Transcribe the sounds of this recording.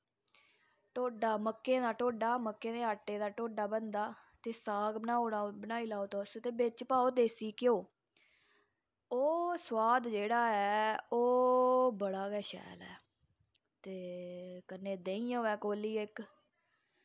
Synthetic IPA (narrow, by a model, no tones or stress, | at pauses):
ʈoːɖaːməkːẽːd̪aːʈoːɖaːməkːẽːd̪eːaːʈːeːd̪aːʈoːɖaːbənd̪aːt̪eːsaːɡbənaːoːnaːbənaːiːlaːoːt̪ost̪eːbɪt͡ʃpaːoːd̪eːsiːkjoː | oːswaːd̪d͡ʒeːɽaːɛːoːbəɽaːɡɛːʃɛ̰ːlɛ̰ː | t̪eːkənːẽːd̪ẽːĩːãːɛːkoːliːɪk